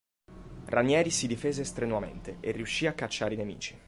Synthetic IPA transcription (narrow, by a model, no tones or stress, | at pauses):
rʔanjɛːɾisid̪ifeːzest̪ɾenwamḛnt̪eʔerːiuʃːiakːat͡ʃːaːɾeinemḭːt͡ʃi̥